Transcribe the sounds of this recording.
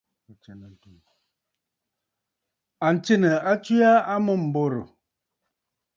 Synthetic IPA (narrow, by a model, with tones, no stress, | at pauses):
n˨tu˨ | a˨n̩˨t͡ʃe˦nə˨a˦t͡ʃwi˦a˦a˦mə˦˨m̩˨bo˦˨ɾo̰˨